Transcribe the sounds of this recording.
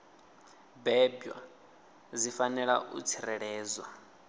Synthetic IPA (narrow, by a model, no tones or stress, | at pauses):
bɛbwa̰ | zifanɛɺaʔṵt͡sʰiɾɛɺɛːzwa